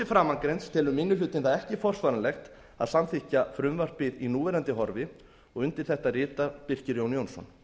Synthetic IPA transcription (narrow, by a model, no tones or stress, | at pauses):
ɪfɾaːmːaŋkɾɛnst̪ʰɪlʏmːɪnːʏlʏːt̪ɪnθaðɛhcɪfɔr̥svaːɾanlɛxt̪ | a̰ðsamθihcafɾʏmvar̥t̪̚pɪðinuːvɛɾant̪ɪɦɔɾvɪ | ɔɣʏnt̪ɪɾ̥θɛht̪arɪːt̪apɪr̥cɪɾjownjownsɔ̰n